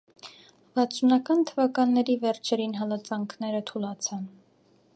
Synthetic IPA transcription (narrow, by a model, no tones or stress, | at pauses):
vɑt͡sʰunɑkɑnt̪ʰəvɑkɑnːɛɾivɛɾt͡ʃʰɛɾinɦɑlɑt͡sɑŋkʰnɛɾət̪ʰulɑt͡sʰɑn